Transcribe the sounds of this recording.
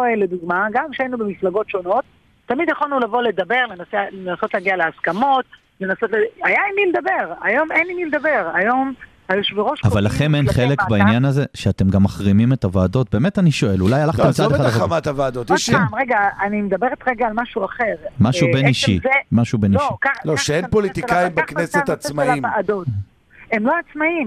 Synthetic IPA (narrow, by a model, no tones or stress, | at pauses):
oeled̪uɡmaɡamkʃeainubemiflaɡo̞tʃo̞no̞t̪̚ː | amid̪jaχalnulavo̞le̞d̪abe̞ʁle̞naselenaso̞t̪laɡialeaskamo̞t̪ | le̞nasotleajainiled̪abe̞ʁajo̞menimiled̪abe̞ʁajo̞m | ajuʃveʁoʃavalːaχenenχelekbainjanazeʃeatemɡamːaχʁimime̞tavaːdo̞t̚be̞ːmetaniʃo̞e̞lulajalaχt̪et͡sad̪eadamat̪havaːd̪ot̪iʃknmʁeɡaːnimed̪abeʁet̪ʁeɡaːlmaʃuaχe̞ʁmaʃubeniʃimaʃubeniʃikaloʃeenpolit̪ikajimbakneset̪at͡smaaimvaad̪ot | emloat͡smaim